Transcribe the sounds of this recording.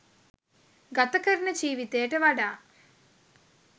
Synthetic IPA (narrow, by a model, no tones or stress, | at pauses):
ɡɐt̪ɐkɐɾinɐd͡ʒiːʋit̪eːʈeʋɐɽaː